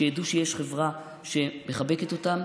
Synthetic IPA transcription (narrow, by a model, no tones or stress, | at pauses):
ejad̪uʃejeʃχe̞vʁa | ʃe̞me̞χabe̞ke̞t̪o̞t̪am